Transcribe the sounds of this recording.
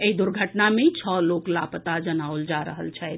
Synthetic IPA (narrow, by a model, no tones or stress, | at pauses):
eid̪uɾɡʱəʈnamet͡ʃʰəloklapət̪ad͡ʒənaold͡ʒaɾə̰ɦə̰lt͡ʃʰɛɪt̪